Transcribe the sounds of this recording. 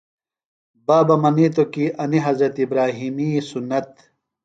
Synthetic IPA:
baːbɐmɐnit̪okiʔɐniɦɐzɾɐt̪ibɾaːɦiːmiːsunːɐt̪

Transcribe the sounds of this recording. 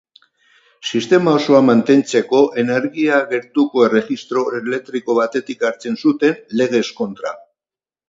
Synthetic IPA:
sist̪e̞mao̞so̞amant̪e̞nt͡se̞ko̞ʔe̞ne̞ɾɣiaɣe̞ɾt̪uko̞e̞re̞ɣist̪ɾo̞ele̞k̚t̪ɾiko̞βat̪e̞t̪ikaɾt͡se̞nsut̪e̞nle̞ɣ̞e̞sko̞nt̪ɾa

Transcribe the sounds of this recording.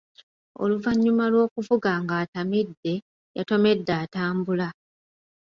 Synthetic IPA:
o̞̰luvaɲːumalwo̞ːkuvuɡaŋɡaːtamidːe̞ | ja̰to̞me̞dːaːtaːmbula

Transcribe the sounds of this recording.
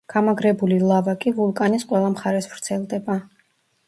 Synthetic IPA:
ɡ̥amaɡɾɛbulilˠavakʼivulˠkʼanisqʼwɛlˠamχaɾɛsvɾt̪sʰɛlˠd̪ɛba

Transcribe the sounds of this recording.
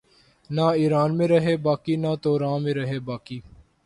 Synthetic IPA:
naːiːɾaːnmẽːɾəɦeːbaːkiːnaːt̪oːɾãːmẽːɾəɦeːbaːkiː

